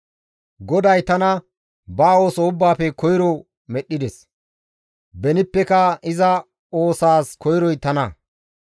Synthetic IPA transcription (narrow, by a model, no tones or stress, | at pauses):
ɡɔd̪ɐjt̪ɐnɐ | baːo̞ːsɔʊbːaːpɛkɔjɾɔ | mɛɗːɪd̪ɛs | bɛnɪpːɛkɐɪzɐ | o̞ːsaːskʰɔjɾɔjt̪ɐnɐ